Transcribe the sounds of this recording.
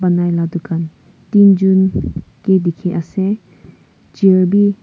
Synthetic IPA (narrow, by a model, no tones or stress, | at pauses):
banajladukan | tind͡ʒunkidikʰeʔase | d͡ʒiəɾbi